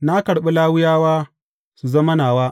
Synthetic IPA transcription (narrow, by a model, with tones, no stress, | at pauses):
na˦kɐ˨ɽɓe˦laː˦wʊ˦jaː˦waː˦ | su˨zɐ˦mɐ˦naː˨waː˦